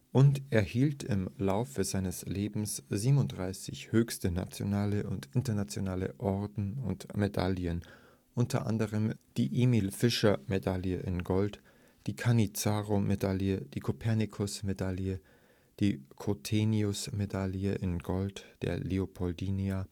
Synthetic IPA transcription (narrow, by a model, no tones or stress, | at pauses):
ʔʊnteːɐhiːltɪ̰mlaʊfəzaɪnəsleːbm̩sz̥iːbənʊntd̥ʁaɪsɪ̰çhøːçstəna̰t͡sjo̰naːləʊntɪntɐnat͡sjonaːlə̰ʔɔɐdn̩ʊ̰ntmeda̰ljən | ʔʊntɐ̰ʔa̰ndəʁəmd̥iːʔimiːlfɪʃɐmedaljəʔɪ̰nɡɔlt | d̥iːkʰanit͡saːʁomʔedaljəd̥iːkʰopʰɛɐnikʰʊsmedaljə | d̥iːkʰotʰeːniʊsmedaljəʔɪnɡɔltd̥ḛːɐleopʰɔldiːnia